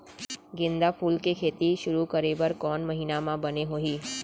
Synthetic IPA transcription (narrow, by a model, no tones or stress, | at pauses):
ɡɪ̃nd̪apʰuːlkekʰeːt̪iʃʊɾukəɾebɐɾkɔːnmɐɦiːnamãbɐneɦoːiː